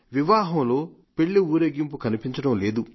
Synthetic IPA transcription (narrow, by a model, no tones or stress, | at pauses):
ʋiʋaːɦɐmlo̞ː | peɭːiuːɾeɡimpukɐnipiɲt͡ʃɐɽɐmle̞ːd̪u